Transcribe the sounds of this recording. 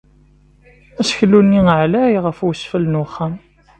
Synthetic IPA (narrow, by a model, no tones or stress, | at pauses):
æsçlːunːiʕlæjʁəfwəsfəlnuχːæm